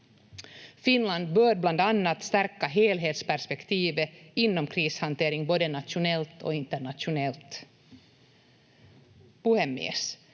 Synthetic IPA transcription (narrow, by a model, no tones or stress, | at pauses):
fɪnland̪̚bœːɾbland̪anːat̪st̪æɾkaɦeːlɦeːt̪spæɾʂpɛkt̪ʰiːvəɪnːɔmkʰɾiːshant̪ʰeːɾɪŋboːd̪ənat̪ʃʊnɛlt̪ʰɔ̰ɪnt̪əɳat̪ʃʊnɛlt̪ | b̥ɵhɛmɪ̰s